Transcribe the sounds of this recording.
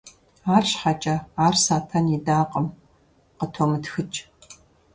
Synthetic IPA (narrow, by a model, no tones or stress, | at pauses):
aːrɕħat͡ʃʼɐaːrsaːtʰɐnidaːqʼəm | qətʰomɨtxɨt͡ʃʼ